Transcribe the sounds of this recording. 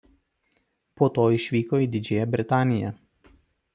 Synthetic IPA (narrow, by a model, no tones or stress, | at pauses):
poːt̪oːɪʃʲʋʲiːkoːiːd̪ʲɪd͡ʒʲeːjɛbʲɾʲɪt̪ɑːnʲɪjɛ̰